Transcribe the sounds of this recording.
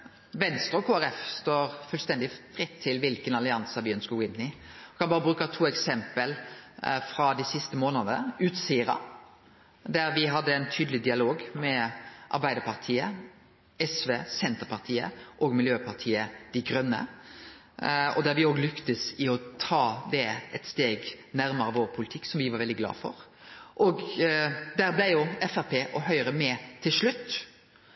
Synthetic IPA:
ʋɛnst̪ʁəɔkʰoːæɾɛfst̪oːɾfʉlst̪ɛnd̪ɪfɾɪt̪ʰːɪlʋɪlkənɑlɪɑnsɑʋɪœnskəɡoːɪnːɪkʰɑnbɑːɾəbɾʉːkɑt̪ʰuːɛksɛmpəlfɾɑd̪æɪsɪst̪əmoːnəd̪əʉːt̪siːəɾɑ̰ | d̪æɾʋɪɦɑd̪ːəæɪnt̪ʰyːd̪lɪd̪ɪɑloːɡmɛʔɑ̰ɾbæɪd̪əpʰɑʁt̪ʰiːə | ɛsʋeːsɛnt̪əɾpʰɑʁt̪ʰiːə̰ʔɔɡmɪljøːpʰɑʁt̪ʰiːəd̪̥æɡɾœnːə̰ | ɔ̰d̪æɾʋɪoːɡlʏkt̪əsɪɔt̪ʰɑːd̪ɛɛt̪st̪eːɡnæɾməɾəʋoːɾpʰʊlɪt̪ʰɪkːsɔmʋɪʋɑɾʋɛld̪ɪɡlɑ̰ːfɔ̰ɾ | ʔɔɡ | d̪æɾblæɪjʊɛfæɾpʰeːʔɔhœʏɾəmɛt̪ʰɪlʂɭʉt̪ː

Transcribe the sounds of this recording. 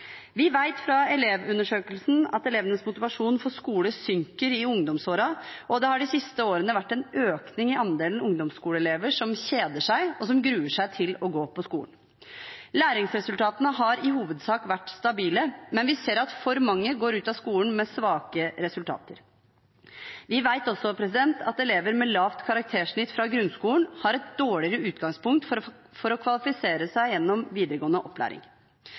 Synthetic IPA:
ʋɪʋæɪt̪fɾɑɛleːʋʉnːəʂøːkəlsn̩ɑ̰t̪ɛleːʋənəsmʊt̪ɪʋɑʂuːnfɔʂkuːləsʏŋkəɾɪʊŋd̪ɔmsoːɾɑʔɔd̪ɛhɑɖɪsɪst̪əoːɾənəʋæʈːɛnøːknɪŋɪʔɑnd̪eːlən̩ʊŋd̪ɔmskuːləɛleːʋəʂɔmɕeːd̪əʂæɪɔsɔmɡɾʉːəʂæɪt̪ʰɪlɔɡoːpʰɔskṵːən | læːɾɪŋsɾɛsʉlt̪ʰɑːt̪ənəɦɑɾɪhuːʋəd̪sɑːkʋæʈːst̪ɑbiːləmɛnʋɪseːɾɑt̪fɔɾmɑŋːəɡoːɾʉːt̪ɑskuːln̩mɛsʋɑːkəɾɛsʉlt̪ʰɑ̰ːt̪ə̰ɾ | ʋɪʋæɪt̪ɔsɔpʰɾɛsɪd̪ɛnt̪ʰɑt̪ɛleːʋəɾmɛlɑːʋt̪kʰɑɾɑk̚t̪ʰeːʂɳɪt̪ːfɾɑɡɾʉnskuːlnhɑɾɛt̪̚d̪̥oːɭɪɾəʉːt̪ɡɑŋspʊŋkt̪f | fɔɾɔkʰʋɑlɪfɪseːɾəsæɪjɛnːɔmʋiːd̪əɾəɡoːənəʔɔpʰːlæ̰ːɾɪ̰ŋ

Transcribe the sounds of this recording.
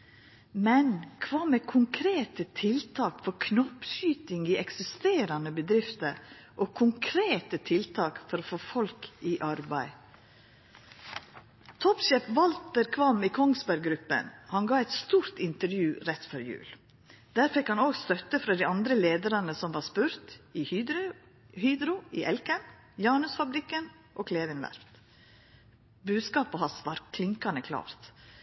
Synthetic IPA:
mɛnkʰʋɑːmekʰʊŋkʰɾeːt̪ət̪ʰɪlt̪ʰɑːkfɔɾkʰnɔpʃyːt̪ɪŋiːɛksɪst̪eːɾɑnəbəd̪ɾɪft̪əɾʔoːkʰʊŋkʰɾeːt̪ət̪ʰɪlt̪ʰɑːkfɔɾoːfoːfɔlkiːʔɑɾbæɪ | t̪ʰɔpʃɛfʋɑlt̪əɾkʰʋɑmiːkʰɔŋsbæɾɡɾʉpə̰nhɑnɡɑːɛɪt̪st̪uːɾt̪ɪnt̪əɾjʉːɾɛt̪fœɾjʉ̰ːl | d̪̥æːɾfɛkhɑnoːɡst̪œt̪əfɾɑːd̪iːɑnd̪ɾəleːd̪əɾɑnəsɔmʋɑːɾspʉɾt̪i | hyːd̪ɾʊiʔɛlkən | jɑːnʉsfɑbɾɪkːən | ʔoːkʰleːʋɪnʋæ̰ɾft̪ | bʉːd̪skɑːpəhɑsʋɑɾkʰlɪŋkɑnəkʰlɑ̰ːɾt̪

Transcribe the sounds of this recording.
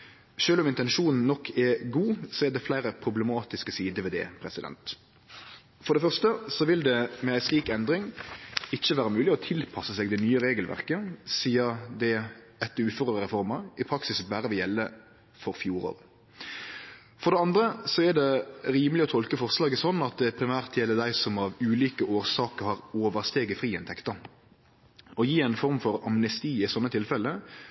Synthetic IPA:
ʃøːlʊmɪnt̪ɛnʃuːnn̩nɔkʰːɛɡuːsɔɛd̪ɛflæɪɾəpʰɾʊblɛmɑːt̪ɪskəsiːd̪əʋɛd̪ɛ̰pʰɾɛsɪd̪ɛ̰nt̪ | fɔʁɖ̪ɛfœʁst̪əsɔʋɪld̪ɛmɛæɪsliːkɛnd̪ɾɪŋɪçːəʋæːʁəmʉːlɪɔt̪ʰɪlpʰɑsəsɛɡd̪ɛnyːəʁeːɡəlʋʔæ̰ʁkəsiːəɾd̪ɛ | ɛt̪ːʉːføʁəəʁɛfɔʁməʁɪpʰɾɑksɪsbæːɾəʋɪljɛlːə | fɔɾfjuːɾo̰ːʁ | fɔɾd̪ɛɑnd̪ɾəsɔɛd̪ɛɾiːməlɪɔt̪ʰɔlkəfɔʁslɑːɡəsɔnːɑt̪̚d̪ɛpʰɾɪmæːʁt̪jɛlːəd̪æɪsɔmɑʋʉːliːkəʔoːɾsɑːkəɾhɑʁoːʋəɾst̪eːɡəfʁiːɛnt̪ʰɛkt̪ɑ | ɔjiːæɪnfɔɾmfɔɾɑmnɛst̪iːɪsɔnːət̪ʰɪlfɛlːə

